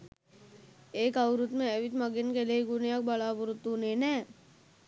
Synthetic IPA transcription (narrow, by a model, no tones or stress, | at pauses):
eːkəwɾut̪mẽɛʋɪt̪mɐɡɪnkelieɡʊnjak̚bɐlaːpʊɾʊt̪ːunẽːnɛː